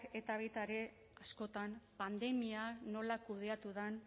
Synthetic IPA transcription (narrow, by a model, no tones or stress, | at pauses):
e̞t̪aβejt̪aɾe̞ | asko̞t̪ampand̪e̞miano̞lakuð̞e̞at̪uðan